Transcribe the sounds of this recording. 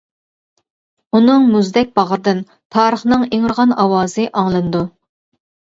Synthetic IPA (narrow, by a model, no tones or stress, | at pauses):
unɨŋmuzd̪ɛk̚ʲbɑʁəɾd̪ɨn | t̪ʰɑːɾəχnɨŋeŋɾʁɑnɑwɑːzɨʔɑŋlˠɨnd̪u